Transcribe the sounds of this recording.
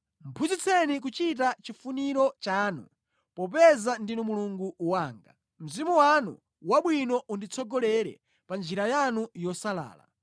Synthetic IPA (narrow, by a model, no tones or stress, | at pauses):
m̩pʰuzit͡sʰɛnik̬ut͡ʃit̬at͡ʃifuniɾɔt͡ʃaːnṵ | pɔp̬ɛzandinumuluŋɡuwaːŋɡa̰ | m̩zimuwanṵ | waɓwinɔʔundit͡sʰɔɡɔlɛɾɛ̰ | pand͡ʒiɾajanujɔsala̰ːla̰